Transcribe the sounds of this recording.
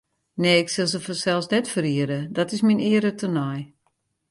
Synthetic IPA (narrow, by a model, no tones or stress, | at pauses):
neːɪksɪlˠsəfɔnsɛlˠsnɛtfəɾiəɾədɔtɪsminɪəɾətənɔj